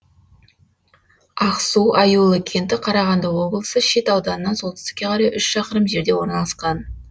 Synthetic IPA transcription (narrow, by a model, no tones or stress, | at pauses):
ɑqsuwʔɑjulˠəkʲʰe̞nt̪ɪqʰɑɾɑʁɑnd̪ɑwo̞blˠəsəʃe̞t̪ɑwd̪ɑnənːɑnso̞lˠt̪ɪst̪ɪ̥kʲːe̞qʰɑɾɑjʔʏʃʃɑqəɾəmʒe̞ɾd̪e̞wo̞ɾnɑlˠɑsqɑn